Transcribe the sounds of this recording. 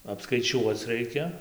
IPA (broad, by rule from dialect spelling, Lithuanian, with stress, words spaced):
ɐpskɐɪˈt͡ʃʲuɔt͡s ˈrɐɪkʲɛ